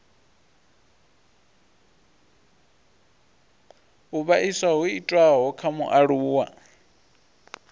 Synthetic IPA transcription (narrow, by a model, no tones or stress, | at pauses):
uβaʔiswaɦuitʼwaɦɔkʰamṵʔaɺuːwa̰